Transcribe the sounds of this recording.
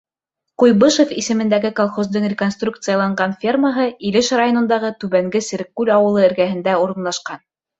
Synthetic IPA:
qujbɤʃofisɘ̆mɘ̆nd̪æɡɘkolˠχozd̪ɤɴrʲɪko̞nst̪ruk̚t̪sɨjɑlˠɑɴɢɑnfʲirməɦɤilɘʃrajo̞nŏnd̪ɑʁɤt̪ʉβæŋɡɘsɘ̆ɾkːʉlɑwɤ̆lˠɤɘ̆ɾɡæɦɘ̆nd̪æuɾɤ̆nlˠɑʃqɑn

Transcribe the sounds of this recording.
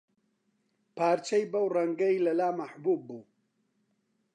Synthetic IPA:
paːɾt͡ʃɐjbɐwrɐŋɡɐjlɐlaːmɐħbuːbːuː

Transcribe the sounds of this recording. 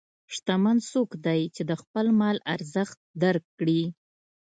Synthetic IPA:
ʂt̪amansokd̪ajt͡ʃed̪əxpəlmɑla̰ɾzəxt̪̚d̪aɾkːɽi

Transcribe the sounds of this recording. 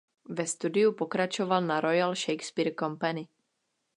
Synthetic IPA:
vɛst̪udɪupokɾat͡ʃovalnaɾojalʃɛjkspiːɾkompanɪ

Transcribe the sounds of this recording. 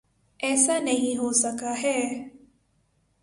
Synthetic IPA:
ɛːsanɐɦĩɦosɐkaɦɛː

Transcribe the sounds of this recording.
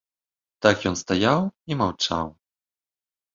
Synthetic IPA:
t̪akjɔnst̪ajawimawt͡ʂa̰w

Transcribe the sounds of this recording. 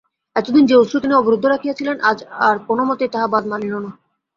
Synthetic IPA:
ɛt̪od̪ind͡ʑeosut̪iniɔboɾud̪ʱːoɾakʰijat͡ɕʰilenad͡ʑaɾkonomot̪eɾt̪aɦabad̪manilona

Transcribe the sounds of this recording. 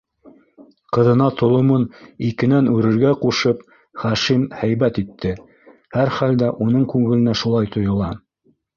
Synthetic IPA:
qɤ̆ðɤ̆nɑt̪ʰŏlˠŏmɤnikɘ̆nænʉɾɘ̆ɾɡæquʃɤp | χæʃimhæjβæt̪it̪ʰːɘ | hæɾχæld̪æʔunɤɴkʉŋɘ̆lɘ̆næʃulˠɑjt̪ʰŏjŏlˠɑ

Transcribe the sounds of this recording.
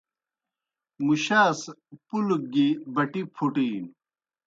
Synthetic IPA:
muɕaːspuluɡibɐʈipʰuʈiːn

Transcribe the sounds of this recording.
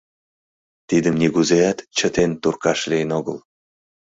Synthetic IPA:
t̪id̪əmnʲiɣuzeæt̪t͡ɕə̆t̪ent̪urkɑʃlijənoɣəl

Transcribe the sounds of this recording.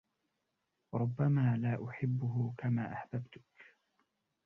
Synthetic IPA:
ɾˤʊbːamaːlaːʔʊħɪbːʊɦʊkamaːʔaħbabt̪ʊ̥k

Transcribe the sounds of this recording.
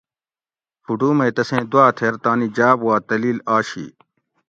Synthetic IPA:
fʰuʈuːmɐt̪ɐsẽːd̪uaːt̪ʰeɾt̪aːnid͡ʑaːbwaːt̪ɐliːlaːɕḭː

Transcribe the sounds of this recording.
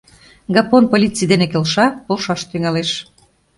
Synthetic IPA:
ɡɑponpolʲit͡sijd̪enekelʃɑpolʃɑʃt̪yŋɑleʃ

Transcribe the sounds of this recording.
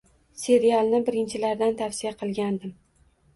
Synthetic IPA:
se̞ɾijalˠnɪbɪɾɪnt͡ʃʰɪlaɾd̪ant̪ʰafsijaqʰɨlˠɡʲand̪ɪm

